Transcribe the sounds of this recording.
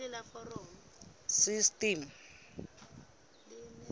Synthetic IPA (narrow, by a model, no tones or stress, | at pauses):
ɛlafɔrɔːma | sistim̩